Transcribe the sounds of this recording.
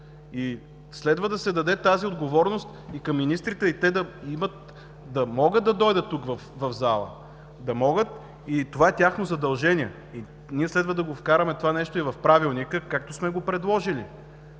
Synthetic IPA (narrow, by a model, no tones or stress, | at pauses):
i | slɛd̪vəd̪ɐsɛd̪ɐd̪ɛt̪aziod̪ɡovɔɾnost̪ikɐmːinist̪ɾit̪ɛit̪ɛd̪ɐimət̪̚ | d̪ɐmɔɡət̪ɐd̪ɔjd̪ət̪ːukvɐfvɐvzalˠə̰ | d̪ɐmɔɡət̪ | it̪ovaɛt̪ʲjaxnozɐd̪ɐlˠʒɛniɛ | i | niɛslɛd̪vəd̪ɐɡofkaɾɐmɛt̪ovanɛʃt̪oivɐfpɾavilˠnikəkak̚t̪osmɛɡopɾɛd̪lˠɔʒili